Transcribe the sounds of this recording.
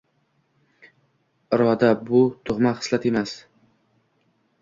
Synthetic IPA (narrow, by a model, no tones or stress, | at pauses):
ɾɒd̪abʊt̪ʰʊʁmaχɨ̥slˠat̪emas